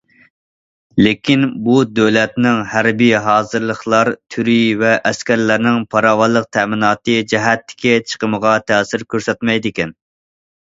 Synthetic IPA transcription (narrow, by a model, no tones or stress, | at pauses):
lɪkʲinbud̪ølɛt̪nɪŋhæɾbijɦɑːzɨɾlˠəχlˠɑɾt̪ʰyɾivɛʔɛskʲæɾlæɾnɪŋpʰɑɾɑːwɑlˠəq̚t̪ʰɛmɪnɑːt̪ɨd͡ʒɛɦɛt̪ːɪ̥kʲɛt͡ʃʰə̥qʰəməʁɑt̪ʰɛːsɪɾkʲøɾsɛt̪mɛjd̪ɪkʲɛn